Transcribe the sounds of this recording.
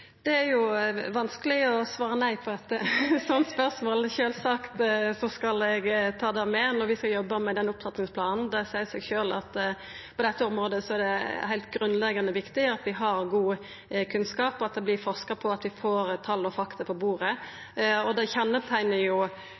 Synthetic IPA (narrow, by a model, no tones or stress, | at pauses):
d̪̥ɛæɾjʊʋɑnskəlɪɔsʋɑːɾənæɪpʰɔd̪ɛt̪ːəsɔnt̪spœʁsmoːlʃøːlsɑkt̪sɔskɑlɛɡt̪ʰɑːd̪æmɛnɔɾʋɪskɑljɔbːəmɛd̪ɛnʊpfʰɑt̪nɪŋsplɑːnn̩d̪ɛsæɪsɛɡʃøːlɑ̰t̪ | pʰɔd̪ɛt̪ːəɔmɾoːd̪əsɔæɾd̪ɛhæɪlt̪ɡɾʉnlɛɡɑnəʋɪkt̪ɪɑt̪ʋɪɦɑɾɡuː | kʰʉnskɑːpɔɑt̪̚d̪ɛblɪfɔʁskɑpʰɔɑt̪ʋɪfoːɾt̪ʰɑlːɔfɑkt̪ɑpʰɔbuːɾə | ɔd̪ɛçɛnːət̪ʰæɪnəjʊ